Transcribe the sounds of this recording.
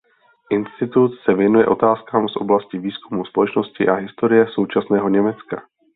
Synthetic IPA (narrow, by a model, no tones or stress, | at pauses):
ʔɪnst̪ɪt̪ut̪sɛvjɛnujɛ̰ʔo̞t̪aːskaːmsʔo̞̰blascɪviːskumuspo̞lɛt͡ʃno̞scɪʔaɦɪst̪o̞ɾɪjɛso̞wt͡ʃasnɛːɦo̞ɲɛmɛt͡ska